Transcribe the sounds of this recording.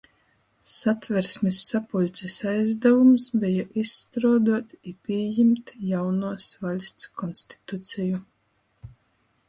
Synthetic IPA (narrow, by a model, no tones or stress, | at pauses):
sat̪vɛɾsʲmʲisːapulʲt̪sisajzd̪ɛvumsbʲɛjɔʔisːt̪ɾuɔd̪uɔt̪ipʲiɛjimt̪jawnuɔsvalʲsʲt̪skʰɔnsʲt̪i̥t̪ut̪sʲɛju